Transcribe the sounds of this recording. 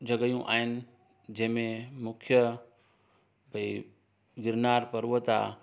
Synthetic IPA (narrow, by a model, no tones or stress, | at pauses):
d͡ʑʱɐɡəjũʔa̰ːɦɪnɪ̆ | d͡ʑɐ̃ɦɪ̃mẽmʊkʰjə | bʱɐi | ɡɪɾnaːɾpɐɾʋət̪a̰